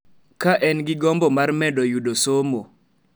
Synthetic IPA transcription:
kaʔɛnɡɪɡɔmbɔmarmɛdɔjudosomo

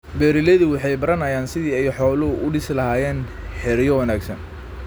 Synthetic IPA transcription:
bɛːɾɪlɛðʊwɑħɑjbɐɾɐnɐjaːnsɪðiːɛjħɔːlɐʊʔʊɖɪslɐhaːjɛːn | ħɪɾjɔwɐnaːɡsɐn

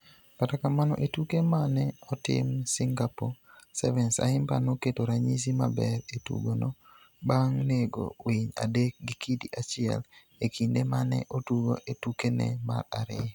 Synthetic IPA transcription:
katakamanɔ̰ʔetukemanɛɔtɪ̰msɪŋɡaposɛvɛnsa̰hɪmba̰noketoɾaɲis̬ima̰bɛɾetṵɡono | baŋneɡo̰wiɲa̰dek̚ɡɪkʰidiʔat͡ʃɪɛ̰l | ekindemanɛ̰ʔotuɡo̰ʔetukenɛ̰ma̰ɾa̰ɾɪ

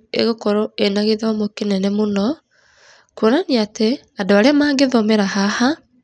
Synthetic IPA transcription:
ḛɣokɔɾɔenaɣeðaɔmokenɛnɛmonɔ | kuonaniate | adoaɾeamaːŋɡeðɔmɛɾahaha

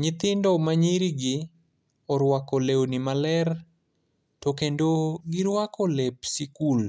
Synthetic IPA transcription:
ɲɪt̪ɪndɔmaɲiɾiɡɪ | ɔɾwakɔleonimalɛr | tokendoɡɪɾwakɔlepsikul

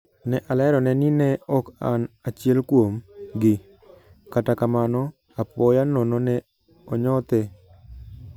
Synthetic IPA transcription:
nɛʔalɛɾɔnɛninɛɔkanat͡ʃɪɛlkwomɡɪ | katakamanɔ | apɔjanononɛ | ɔɲɔt̪e

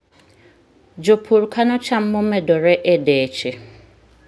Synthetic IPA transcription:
d͡ʒopʰuɾukʰanɔt͡ʃam̩momɛdɔɾɛʔedet͡ʃe

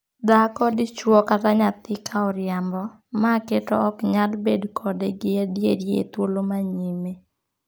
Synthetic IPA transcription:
d̪akɔdɪt͡ʃwɔkat̪aɲat̪ɪkʰaɔɾjambɔ | maketɔ̰ɔkɲalbedkʰɔdeɡɪadjedjḛt̪wolomaɲime

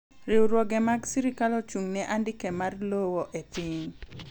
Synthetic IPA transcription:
ɾɪwɾwɔɡɛmaɡsiɾikalɔt͡ʃuŋnɛʔandɪkemarlowɔʔet̪ɪŋ

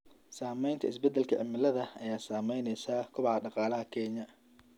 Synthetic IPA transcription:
saːmɛjnt̪ʰɐɪsbɛd̪ːɛlkʰɐʕɪ̰mɪlɐðɐɐjaːsaːmɛjnɛjsaːkʰʊβɑħɑɖɑqɑːlɐɦɐkʰɛɲɐ

